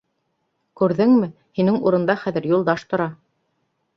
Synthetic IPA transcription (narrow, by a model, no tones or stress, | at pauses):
kʉɾðɘŋmɘ | hinɘŋuɾɤ̆nd̪ɑχæðɘ̆ɾjulˠd̪ɑʃt̪ŏɾɑ